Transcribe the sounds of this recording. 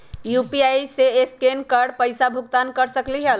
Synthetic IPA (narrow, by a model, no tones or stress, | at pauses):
jupiajseeskenkəɾɖpəjsabʱukt̪ankəɾsəklid͡ʒal